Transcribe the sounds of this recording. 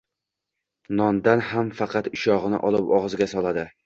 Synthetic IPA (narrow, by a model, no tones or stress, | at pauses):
nɒnd̪anhamfɑqʰɑt̪ʊʃɒʁɨnɪ̰ʔɒlˠɪpɒʁzɡʲasɒlˠad̪ɪ